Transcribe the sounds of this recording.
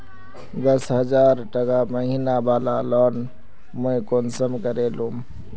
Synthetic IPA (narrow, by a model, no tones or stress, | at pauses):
d̪əsɦəd͡ʒaːɾʈəkaməɦinabaːlalɔn | məekonsəmkəɾelum